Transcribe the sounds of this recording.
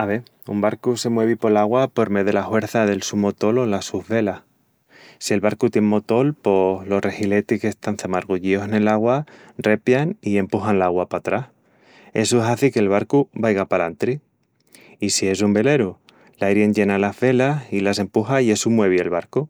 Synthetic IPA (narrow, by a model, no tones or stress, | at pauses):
aβe̞ | ṵmbaɾkuse̞mwe̞β̞ipo̞laɣwapo̞ɾme̞ðelaxwe̞ɾθaðe̞lsumo̞t̪o̞lo̞lasuhβe̞lah | sie̞lβaɾkut̪je̞ŋmo̞t̪o̞lpo̞slo̞sre̞hile̞t̪ikest̪anθamaɾɣuʝio̞sene̞laɣwa | re̞pjanie̞mpuxanlaɣwapat̪ɾah | esuesaθike̞ːlβaɾkuβajɣapalant̪ɾi | isie̞s̬umbe̞le̞ɾu | lajɾje̞nɟe̞nalazβe̞lasilase̞mpuxaie̞sumwe̞βie̞lβaɾku